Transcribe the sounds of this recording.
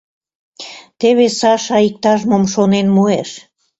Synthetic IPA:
t̪eβesɑʃɑik̚t̪ɑʒmomʃonenmueʃ

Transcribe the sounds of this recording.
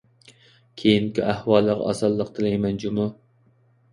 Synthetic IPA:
kʲʰejiŋkʲiʔæhwɑlˠːəʁ̰ɑ̰sɑlˠːəq̚t̪ʰɨlɛjmɛnd͡ʒumu

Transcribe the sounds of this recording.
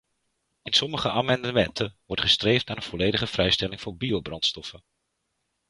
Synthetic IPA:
ɪnsɔməχəʔaːmɑndəmɛntənʋɔɹtχəstrejftnaːɾənv̥ɔlejdəχəv̥rɛjstɛlɪŋvʊːɹbiowbrɑntstɔfən

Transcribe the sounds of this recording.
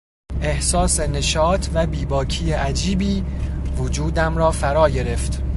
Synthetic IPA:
ʔe̞hsɒːse̞ne̞ʃɒːt̪ʰvæbiːbɒːcʰijeʔæd͡ʒiːbiːvod͡ʒuːd̪æmɾɒːfæɾɒːɟe̞ɾe̞ft̪

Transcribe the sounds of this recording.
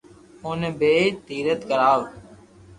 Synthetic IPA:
oːneːbʱeːt̪iːɾət̪kəɾaːʋ

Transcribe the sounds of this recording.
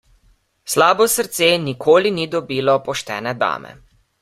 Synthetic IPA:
slaːbɔsəɾt̪seːnikʰoːlinid̪ɔbiːlɔpɔʃt̪ɛ̰ːnɛd̪a̰ːmʔɛ̰

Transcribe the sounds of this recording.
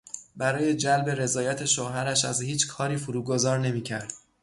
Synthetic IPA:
bæɾɒːje̞d͡ʒælbe̞ɾe̞zɒːjæt̪ʰe̞ʃoɦæɾæʃæzhiːt͡ʃʰkʰɒːɾiːfuɾuːɡo̞zɒːɾne̞miːcʰæɾd̪̥

